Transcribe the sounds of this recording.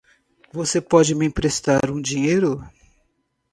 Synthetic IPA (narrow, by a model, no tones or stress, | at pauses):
vosepɔd͡ʒɪmɪĩpɾest̪aɾũd͡ʒĩɲejɾʊ